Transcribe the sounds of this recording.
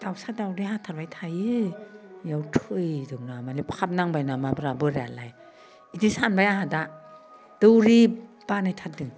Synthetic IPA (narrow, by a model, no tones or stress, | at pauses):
d̥awsadawdiɦatʰaɾbajtʰajɯ | jawtʰɯjdɯwnamalipkʰap̚naŋbajnamabɾabɯɾealaj | idisanbajaɦada | d̥ɯwɾi | b̥anajtʰat̚dɯŋ